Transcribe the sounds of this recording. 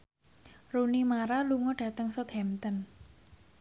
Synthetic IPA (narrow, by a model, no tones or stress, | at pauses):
runimaɾaluŋɔɖ̥ä̤t̪əŋsɔt̪hɛmt̪ən